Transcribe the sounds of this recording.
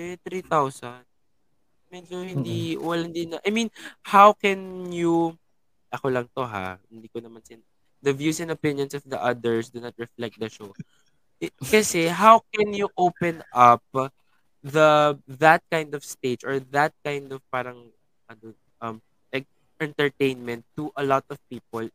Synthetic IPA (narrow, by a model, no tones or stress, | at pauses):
ɛt̪ɾit̪awsɐn | mɛd͡ʒohɪnd̪iwɐlɐnd̪ɪnɐʔajmĩnhawkɛnju | ʔɐkolɐŋt̪o̞ɦa̰hɪnd̪iːkonɐmansɪn | d̪ɐvjusɛ̃nɐpɪ̃njɔ̃nsɔvd̪iʔɐd̪ɛɹsd̪unɐt̪̚ɹɛflɛk̚t̪̚d̪ɐʃow | kɐsɛɦawkɛnjuʔowpɛ̃nɐp̚ | ðɐðɐt̪̚kãjnd̪ɔv̥st̪eɪd͡ʒɔɹðɐt̪̚kãjnd̪ɔv̥paːɾɐŋ | ɐd̪on | ʔɐm | ɛ | ʔɛ̃nt̪ɛɹt̪ẽɪnmɛ̃nt̪ːuʔɐlɔt̪ɔv̥piːp̚ɔl